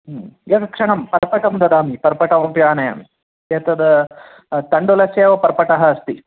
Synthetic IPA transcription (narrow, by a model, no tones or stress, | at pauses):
eːkɐkʂɐɳɐmpɐɾpɐʈɐmd̪ɐd̪aːmipɐɾpɐʈɐʋɐmpjaːnɐjɐ̰m | eːt̪ɐd̪ɐ | t̪ɐɳɖulɐseːʋɐpɐɾpɐʈɐɦɐɐst̪i